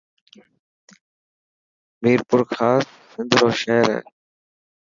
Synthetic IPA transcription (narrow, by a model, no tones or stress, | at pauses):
miːɾpʊɾkʰaːsːɪnd̪ʱɾoːʃɛːɾɛ̰ː